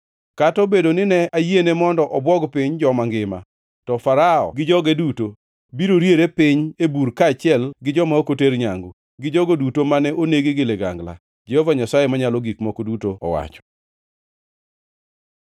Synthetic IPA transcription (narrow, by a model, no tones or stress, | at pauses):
katɔbedonɪnɛajienɛmɔndɔʔɔbwɔɡpɪɲd͡ʒɔmaŋɡɪma̰ | tɔfaɾaɔ̰ɡɪd͡ʒɔɡɛduto | biɾoɾjeɾepɪɲebuɾkaːt͡ʃɪɛlɡɪd͡ʒɔmaokoteɾɲaŋɡu | ɡɪd͡ʒɔɡodutomanɛʔoneɡeɡɪleɡa̰ŋɡla̰ | d͡ʒɛhɔvaɲasajemaɲalɔɡikmɔkodutoɔ̰wa̰t͡ʃɔ̥